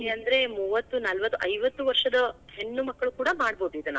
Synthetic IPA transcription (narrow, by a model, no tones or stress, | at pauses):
ɐnd̪ɐɾe̞muːʋɐt̪ːunɐlʋɐt̪ːuʔɐjʋɐt̪ːuʋɐɾʂɐd̪ɐhenːumɐkːɐɭukuːɽɐmaːɽboːd̪uid̪ɐna̰